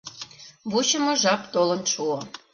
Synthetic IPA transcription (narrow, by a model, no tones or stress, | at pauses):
but͡ɕə̆mŏʒɑpt̪olɤ̆nʃuo